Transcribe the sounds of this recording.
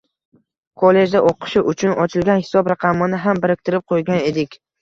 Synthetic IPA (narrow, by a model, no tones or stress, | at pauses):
kʰole̞d͡ʒd̪aʔoqʰɨ̥ʃɪʔʊt͡ʃʰʊnɒt͡ʃʰɪlɡʲanhɪ̥sɒbɾɑqʰɑmɪnɪɦambɪɾɪk̚ʲt̪ʰɪɾɪp̚qʰojɡʲane̞d̪ɪkʲ